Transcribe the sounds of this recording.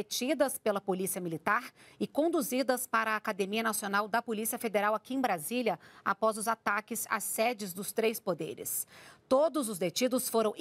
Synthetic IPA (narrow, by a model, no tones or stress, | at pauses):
et͡ʃid̪ɐspelɐpolisiɐmilit̪aɾɪkõnd̪uzid̪ɐspaɾɐːkad̪emiɐnasionawd̪ɐpolisiɐfed̪eɾawakiẽj̃bɾaziljɐa̰pɔzʊzat̪akɪza̰sːɛd͡ʒɪzd̪ʊst̪ɾejspod̪ḛɾɪ̰st̪od̪ʊzʊzd̪et͡ʃid̪ʊsfoɾɐ̃w̃